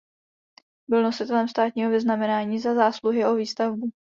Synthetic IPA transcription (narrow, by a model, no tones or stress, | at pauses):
bɪlno̞sɪt̪ɛlɛmst̪aːt̪̚ɲiːɦo̞vɪznamɛnaːɲiːzazaːsluɦɪʔo̞viːst̪avbu